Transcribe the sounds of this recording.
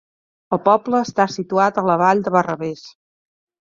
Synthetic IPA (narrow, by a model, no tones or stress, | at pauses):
əlˠpɔbləːst̪asit̪uat̪ələβaʎd̪əβərəβes